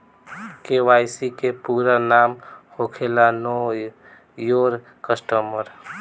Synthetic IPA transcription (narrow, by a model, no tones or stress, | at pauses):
keʋaːjsikepuːɾanaːmhokʰelanɔ | joɾ | kəsʈəməɾ